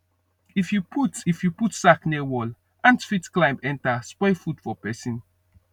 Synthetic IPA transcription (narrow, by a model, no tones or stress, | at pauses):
ifjupʰutifjuputsaknewɔl | ãntfitklãɪ̃mbɛ̃ntaspɔɪfud̥fɔpɛsĩn